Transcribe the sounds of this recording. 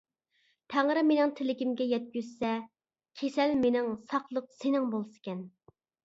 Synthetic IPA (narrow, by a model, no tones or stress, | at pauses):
t̪ʰæŋɾɨmenɪŋt̪ʰɪlɪkʲimɡʲɛjɛt̪̚ɡʲyzsɛ | kʲʰesɛlmenɪŋsɑqlˠəq̚senɪŋbolˠsɨ̥kʲɛn